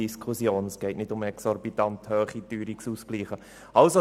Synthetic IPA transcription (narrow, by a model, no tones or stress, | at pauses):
iskʰʊsjoːnəsɡ̥ɛɪtnɪdʊmɛksɔɾbitɑnt̪høːχityːɾiksuːskliːχə | ɑlso